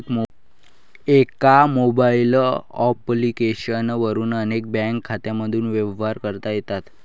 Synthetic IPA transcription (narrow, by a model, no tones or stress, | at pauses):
ekamobailɔ̰plikeɕənʋəɾuːnənek̚bɛ̃ŋkʰːat̪jaməd̪ʱuːnʋeʋʋaɾkəɾt̪ajet̪at̪